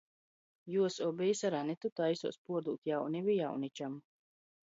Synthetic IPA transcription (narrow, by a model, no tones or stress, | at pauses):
juɔsɔbɛjsaɾanit̪ut̪ajsṵːspuɔɾd̪ṵːt̪jawnivija̰wnit͡ʃam